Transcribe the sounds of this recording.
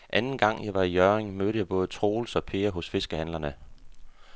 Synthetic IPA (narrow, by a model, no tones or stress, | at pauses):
ʔænn̩ɡ̥ɑ̈ŋ̰jɑ̈ɪʋɑ̈ijœʁeŋmødɾəjɑ̈ɪb̥ɔ̽ːð̞̩ˠət͡sʰʁo̝ːlsɒ̽pʰe̝ːɐɦɔ̽sfe̝sɡ̥əhænlɐnə